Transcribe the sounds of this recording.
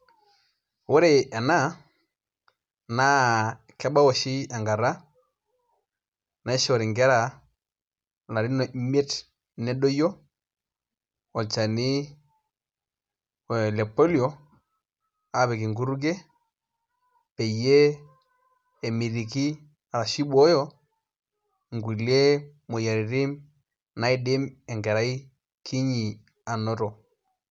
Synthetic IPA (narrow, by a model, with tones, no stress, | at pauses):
wo˦ɾe˨a˨na˦ | na˦ | kɛ˦ba˦wɔ˨ʃi˦a˨ŋɡa˨ɾa˦ | na˦ʃɔ˨ɾi˨ŋɡɛ˦ɾa˨ | la˨ɾi˦nɔ˨˦me˦t | nɛ˦do˦jo˦ | ɔ˨t͡ʃa˨ni˦˨ | lɛ˨pɔ˦ljɔ˨ | a˦βɛ˨ki˨ŋɡu˦ɾu˦ɡ̬e˦ | pɛ˨je˦ | ɛ˨mi˨ɾi˨ki˦ | a˨ɾa˨ʃi˦bɔ˦jɔ˦ | ŋɡu˨le˦ | mo˨ja˨ɾi˨ɾi˦m | na˨˦i˦de˦mɛ˨ŋɡɛ˨ɾa˦i˦ | kʰi˦ɲi˨ | a˨nɔ˦tɔ˨